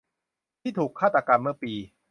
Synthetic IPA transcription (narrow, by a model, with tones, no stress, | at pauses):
t̪ʰiː˥˩t̪ʰuː˨˩kʰːaː˥˩t̪ːa˧ka˧mːɯ˥˩piː˧